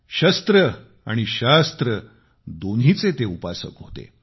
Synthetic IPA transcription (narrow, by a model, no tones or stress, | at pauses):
ɕəst̪ɾə | aɽ̃iɕast̪ɾə | d̪onɦit͡set̪eupasə̰kɦot̪ḛ